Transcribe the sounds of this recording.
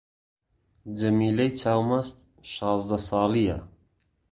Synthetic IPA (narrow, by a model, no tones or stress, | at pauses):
d͡ʒɐmiːlejt͡ʃʰaːwmɐst̪ | ʃɑːzd̪ɐsɑːlijɐ̰